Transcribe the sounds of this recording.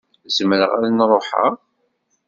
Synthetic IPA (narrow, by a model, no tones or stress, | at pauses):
zməɾəʁalnɾˤoħa̰